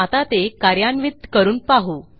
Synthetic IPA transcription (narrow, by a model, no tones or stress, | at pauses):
at̪at̪ekaɾjanʋid̪ʱkəɾuːnpaɦu